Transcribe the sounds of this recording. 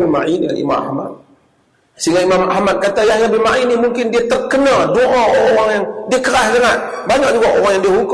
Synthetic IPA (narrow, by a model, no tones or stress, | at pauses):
bima̰ʔinia̰nḭma̰ma̰hmat̪̚ | siŋɡaimamahmat̪̚kat̪ajahjabimaʔinihmuŋkɪndiat̪ərkənadoʔaʔoɾoɾaŋjaŋdiakəɾasləŋaʔ̪̚ | baɲak̚d͡ʒuɡaʔoɾaŋjaŋdiaɦuk